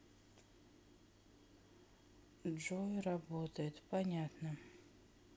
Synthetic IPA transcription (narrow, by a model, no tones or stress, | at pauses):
ʐojɾɐbot̪əjɪt̪pɐnʲat̪nə